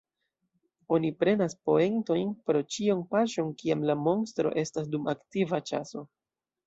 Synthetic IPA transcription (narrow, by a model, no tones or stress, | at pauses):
o̞nipɾe̞naspo̞e̞nto̞jnpɾo̞t͡ʃionpaʃo̞nkiamlamo̞nstɾo̞̰ʔe̞stasdumaktivat͡ʃaso̞